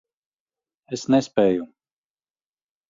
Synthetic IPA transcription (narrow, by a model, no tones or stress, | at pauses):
esnɛspɛːju